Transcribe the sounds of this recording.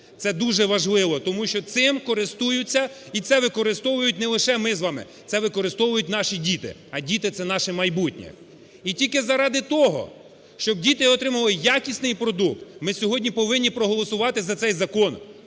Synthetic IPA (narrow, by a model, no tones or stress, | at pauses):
t̪sɛd̪uʒɛʋɐʒlˠɪʋɔt̪ɔmuʃt͡ʃɔt̪sɪmkɔɾɪst̪ujʊt͡sʲːɐ | it̪sɛʋɪkɔɾɪst̪ɔʋʊjʊtʲnɛlˠɪʃɛmɪzʋɑmɪ̰ | t̪sɛʋɪkɔɾɪst̪ɔʋʊjʊtʲnɑʃidʲit̪ɪ̰ɐdʲit̪ɪt̪sɛnɑʃɛmɐjbutʲnʲḭ | itʲilʲkɪzɐɾɑd̪ɪt̪ɔɦɔ̰ | ʃt͡ʃɔb̚dʲit̪ɪɔt̪ɾɪmɐlˠɪjakʲisʲnɪjpɾɔd̪uk̚t̪mɪsʲɔɦɔdʲnʲipɔʋɪnʲːipɾɔɦɔlˠɔsʊʋɑt̪ɪzɐt̪sɛjzɐkɔn